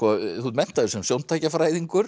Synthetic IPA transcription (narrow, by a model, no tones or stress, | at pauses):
ɔθumɛn̥t̪aðʏsɛmsjownt̪ʰaːjcafɾaːjðiŋkʏɾ̥